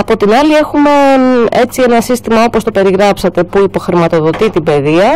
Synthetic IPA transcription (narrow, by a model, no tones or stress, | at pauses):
ɐpo̞t̪inɐlie̞xume̞et͡sie̞nɐsist̪imɐopo̞st̪o̞pe̞ɾiɣɾɐpsɐt̪e̞puipo̞xɾimɐt̪oðo̞t̪it̪ibe̞ðiɐ